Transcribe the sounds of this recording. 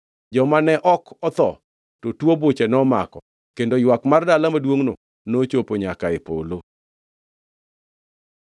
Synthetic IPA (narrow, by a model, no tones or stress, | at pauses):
d͡ʒɔmanɛʔɔkɔt̪ɔ̰ | totwobot͡ʃɛnɔma̰kɔ | kendojwakmardalamadwoŋno̰ | not͡ʃopoɲakaɪpo̰lo